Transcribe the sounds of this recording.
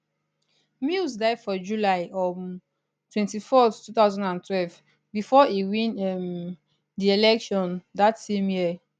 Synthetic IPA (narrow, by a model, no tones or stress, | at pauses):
misdaɪdfɔd͡ʒulaɪʔɔm | tʰwɛ̃ntifɔθtːuθaʊzãndãntʰwɛlv | bifɔiwĩnɛm | dielɛkʃɔ̃ndatsẽmjiə